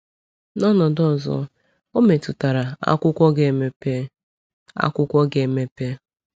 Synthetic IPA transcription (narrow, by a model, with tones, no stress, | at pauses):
nɔ˦nɔ˨dɔ˦˨zɔ̰˦ | o˦me˨tu˨ta˨ɾa˨a̰˦kʷʊ˦kʷɔ˦ɡe˨me˦pe˦ | a̰˦kʷʊ˦kʷɔ˦ɡe˨me˦pe˦